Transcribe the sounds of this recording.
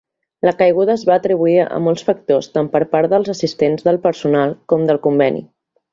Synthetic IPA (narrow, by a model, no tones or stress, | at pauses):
ləkəjɣ̞uðəːzβaːt̪ɾiβ̞uiə̰mɔlˠsfək̚t̪ost̪ampəɾpaɾðəlˠzəsist̪enzðəlˠpəɾsunalˠkɔmd̪əlˠkumbɛnḭ